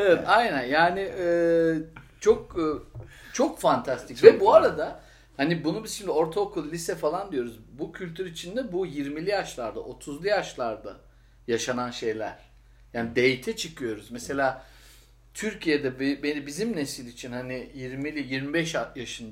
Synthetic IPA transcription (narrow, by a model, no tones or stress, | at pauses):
evɛt̪ajnænjaːniɛː | t͡ʃʰo̞kː | t͡ʃʰo̞kfant̪ʰast̪ʰicvɛbuaɾad̪a | hanibunubiz̥ʃʰimd̪io̞ɾt̪ʰaokʰulˠːʲisɛfalˠand̪ijo̞ɾuzbucʰylʲt̪ʰyɾit͡ʃʰind̪ɛbujiɾmilʲijaʃlˠaɾd̪a̰ʔo̞t̪ʰuzlˠujaʃlˠaɾd̪a̰ | jaʃananʃe̞jlʲæ̰ɾ̥ | jaːnid̪e̞jt̪ʰɛt͡ʃʰɯkʰɯjo̞ɾuzmɛse̞lʲaː | t̪ʰyɾcijed̪ɛbbenibizimnesilʲit͡ʃʰinhanijiɾmilʲijiɾmibɛʃajaʃɯnd̪